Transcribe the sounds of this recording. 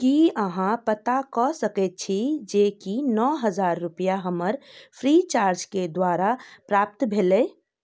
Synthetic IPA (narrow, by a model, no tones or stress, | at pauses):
kiəɦãpət̪akɔsəkɛt̪̚t͡ʃʰid͡ʒekinɔɦəd͡ʒaɾːupjaɦəməɾpʰɾit͡ʃaɾd͡ʒked̪waɾapɾap̚t̪bʱelɛ